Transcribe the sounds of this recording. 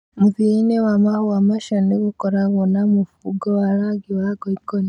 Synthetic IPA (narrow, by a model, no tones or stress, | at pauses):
muvinewamahowamaʃoneβukoɾaβonamufuɡowaɾaɡiwaɡoikon